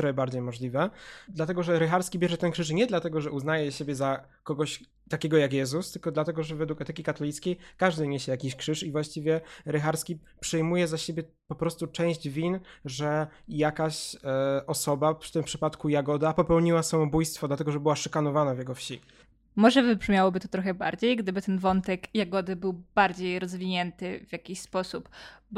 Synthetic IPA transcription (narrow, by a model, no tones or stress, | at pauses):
ɾɛbaɾd͡ʑejmɔʐlʲivɛd̪lat̪ɛɡɔʐɛɾɛxaɾskʲibʲjɛʐɛt̪ɛnkʂɘʂ̬ɲɛd̪lat̪ɛɡɔʐɛʔuznajɛɕebʲjɛza | kɔɡɔɕ | t̪akʲɛɡɔjakjɛzust̪ɘlkɔd̪lat̪ɛɡɔʐɛvɛd̪wukɛt̪ɛkʲikat̪ɔlʲit̪skʲejkaʐd̪ɘɲeɕɛjakʲiɕkʂɘʂivwaɕt͡ɕivʲjɛɾɛxaɾskʲi | pʂɛjmujɛzaɕebʲjɛ | pɔpɾɔst̪ut͡ʂɛ̃w̃ʑd͡ʑvʲinʐɛjakaɕ | ɔsɔbḁt̪ɘmpʂɘpat̪kujaɡɔd̪apɔpɛwɲiwasamɔbujst̪fɔd̪lat̪ɛɡɔʐɛbɘwaʂɘkanɔvanavjɛɡɔfɕi | mɔʐɛvɨbʐmʲjawɔbɘt̪ɔ̥t̪ɾɔxɛba̰ɾd͡ʑejɡd̪ɘbɘt̪ɛnvɔnt̪ɛkjaɡɔd̪ɘbɘwb̥aɾd͡ʑejɾɔzvʲiɲɛnt̪ɘvʲjakʲiɕspɔsupb